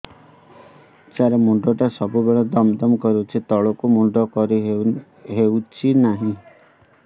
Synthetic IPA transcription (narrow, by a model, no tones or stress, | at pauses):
t͡ʃaɾemuɳɖɔʈasɔbubeɭɔd̪ɔmd̪ɔmkɔɾet͡ʃʰit̪ɔɭɔkumuɳɖɔkɔɾi | ɦewt͡ʃʰinaɦĩ